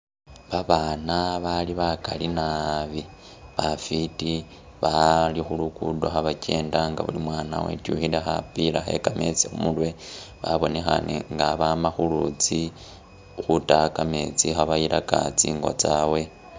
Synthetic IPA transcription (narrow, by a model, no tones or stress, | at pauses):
βaβanaβaliβakalinaβi | βafiti | βalixulukudo̞xaβace̞ːndaŋɡa̰βulimwaːna̰wḛtjuxilexapilaxe̞̰kame̞t͡sixumulwe̞βaβo̞ne̞xa̰nḛŋɡaβamaxulut͡si | xutakame̞t͡sixaβajilʔaka̰t͡sḭːŋɡo̰t͡sawe̞